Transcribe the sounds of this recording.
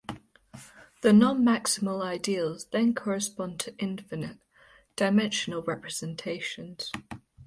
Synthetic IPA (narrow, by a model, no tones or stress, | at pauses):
ðənɒ̃nmaksɪməlaɪdiəlˠzðə̃nkʰɒɹɪspɒ̃ntʰəʔɪ̃ɱfɪnɪʔ | d̥aɪmɛ̃nʃənəlˠɹɛpɹəz̥ɛ̃ntʰeɪʃə̃nz̥